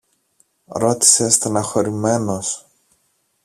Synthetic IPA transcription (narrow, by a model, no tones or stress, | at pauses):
ɾo̞t̪i̥sest̪enɐxo̞ɾime̞no̞s